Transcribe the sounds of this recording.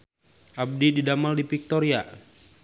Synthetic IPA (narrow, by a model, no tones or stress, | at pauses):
ʔab̚dididamaldipik̚t̪ɔɾia